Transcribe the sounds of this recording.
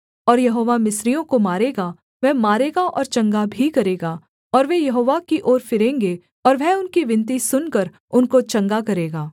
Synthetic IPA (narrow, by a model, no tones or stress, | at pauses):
ɔːɾjɐɦoːʋamɪsɾijõkomaːɾeːɡa | ʋɛːmaːɾeːɡaʔɔ̰ːɾt͡ʃɐ̃ŋɡabʱikɐɾeːɡaː | ɔːɾʋejɐɦoːʋakiʔoːɾfɪɾẽːŋɡe | ɔːɾʋɛːʊnkiʋɪ̃nt̪̬isʊnkəɾ | ʊnkot͡ʃɐ̃ŋɡakɐɾeːɡaː